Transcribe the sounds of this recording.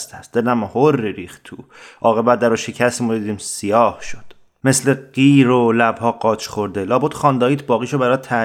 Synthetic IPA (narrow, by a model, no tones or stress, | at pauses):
st̪ʰæsd̪elæmhorːiɾiːxt̪t̪ʰuʔɒːɣe̞bæd̪æɾɔːʃecʰæst̪imodd̪iːd̪iːmsijɒːhʃod̪̥ | mesleɡ̥iːɾolæbhɒːɡɒːt͡ʃʰχoɾd̪elɒːbot̪χɒːnd̪ɒːiːt̪ʰbɒːɣiːʃobæɾɒːt̪ʰæ